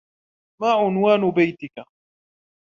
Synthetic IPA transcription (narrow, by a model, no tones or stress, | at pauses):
maːʕʊnwaːnʊbajt̪ɪka